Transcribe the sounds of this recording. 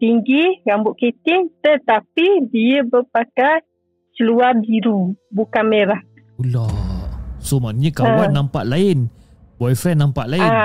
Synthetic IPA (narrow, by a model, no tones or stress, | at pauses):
t̪iŋɡiɡambʊʔ̪̚kit̪ɪŋt̪ət̪apidiəbəpakaj | səluabiɾubukameɾa | ula | somanɲəkawanːampaʔlaɪn | bɔjfɾɛnːampa̰ʔlaɪn